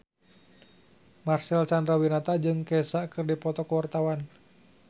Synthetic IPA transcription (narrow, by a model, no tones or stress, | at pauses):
marsɛlt͡ʃandɾawinat̪ad͡ʒɨŋkɛsaʔkɨrdipɔt̪ɔkwart̪awan